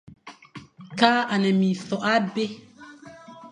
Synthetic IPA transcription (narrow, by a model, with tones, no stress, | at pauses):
kaː˦a˨nɛ˨mĩ˨θɔ˨ʔa˦be˦